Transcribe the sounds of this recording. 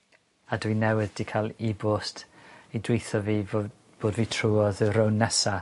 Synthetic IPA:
adwinɛwɪðd̥ikʰalˠibʊstidwejθɔviːv | b̥oːdviːtʰruːɔðɾəwnːɛsa

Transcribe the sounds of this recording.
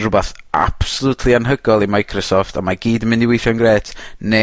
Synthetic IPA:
rʊbaθa̰b̥sɔlˠutʰlˠianɦəɡɔlˠimajkʰrɔsɔftʰamaɡiːdəmɪndiwejʃɔnɡreːtʰne

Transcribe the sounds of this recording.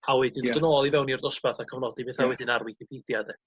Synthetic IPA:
hawɛdɪndənɔlˠivɛwniɔrdɔspaθakʰəvnɔdibeːθhawɛdɪnarwikɪpʰeθjadɛ

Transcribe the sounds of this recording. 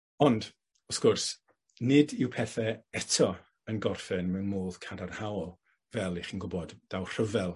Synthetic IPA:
ɔnd | ɔskʊrs | nɪdɪwpʰɛθɛɛtʰɔ | ənɡɔrfɪnmɛwnmoːð̥kʰadarhawɔlˠ | vɛlˠiχinɡʊbɔdd̥awr̥əvɛlˠ

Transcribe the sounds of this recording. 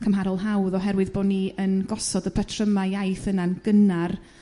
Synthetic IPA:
kʰəmɦaɾɔlˠɦawðɔɦɛɾwɨðboːniənɡɔsɔdəpʰətʰrəmaajθənanɡ̥ənar

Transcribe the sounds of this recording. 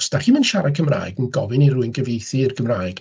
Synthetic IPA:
staχimənʃaɾakʰəmra̰ːɨɡənɡɔvɨniruɨnɡəvejθiɪrkʰəmraːɨɡ̥

